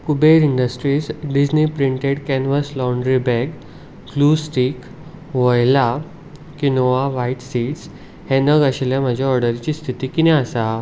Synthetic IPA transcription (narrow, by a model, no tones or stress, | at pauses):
kubeɾiɳɖəsʈɾiːsɖid͡ʑnipɾiɳʈeɽkɛnʋəslɔɳɖɾibɛɡ | klusʈiːk | ʋojla | kinoaʋaiʈsiːʈs | henəɡaɕeljam̤əd͡ʑʱaɔɾɽəɾt͡ɕiːst̪ʰit̪iːkinɛasa